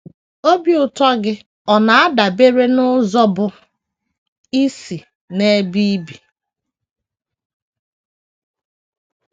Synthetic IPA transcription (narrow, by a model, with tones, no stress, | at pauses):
o˦bi˨ʊ˨tɔ˦ɡɪ˦ | ɔ˨na˨a˦da˨be˦ɾe˦nʊ˦zɔ˦bʊ˨ | i˦si˨ | ne˦bi˦bi˨